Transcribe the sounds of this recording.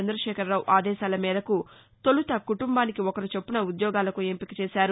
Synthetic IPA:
end̪ɾɐʃɛːkɐɾːaːwuʔaːd̪ɛːʃaːlɐmiːd̪ɐku | t̪olut̪ɐkuʈumbaːnikiɔkɐɾit͡ʃe̞pːunɐud̪jɔːɡaːlɐkuempikit͡ʃɛːʃaːɾu

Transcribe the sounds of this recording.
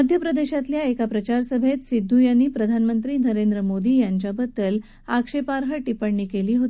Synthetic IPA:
əd̪ʱjəpɾəd̪eɕat̪ljaekapɾət͡ɕaɾsəbʱet̪sid̪ʱːujanːiːpɾəd̪ʱanmənt̪ɾiːnəɾend̪ɾəmod̪iːjaɲt͡ɕabəd̪ːəl | akʂepaɾɦəʈipəɳːiːkeliːɦot̪ii̥

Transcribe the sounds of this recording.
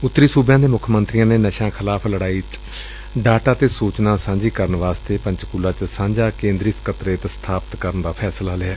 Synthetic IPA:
ʊt̪ːɾiːsuːbjãːd̪eːmʊkʰmənt̪ɾijãːneːnəʃãːkʰɪlaːpʰləɽaːiːt͡ʃ | ɖaːʈaːt̪eːsuːt͡ʃnaːsãːɲd͡ʒiːkəɾənʋaːst̪eːpəɲt͡ʃkuːlːaːt͡ʃsãːɲd͡ʒaːkẽːnd̪ɾiːskət̪ɾeːt̪st̪ʰaːpət̪kəɾənd̪aːpʰɛːslaːlɪɛː

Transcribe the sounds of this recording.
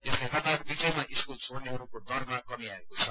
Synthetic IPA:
eslajkʌt̪akbid͡zʌjmaʔiskult͡soɽneɦʌɾukod̪ʌɾmakʌmiaekot͡sʰʌ

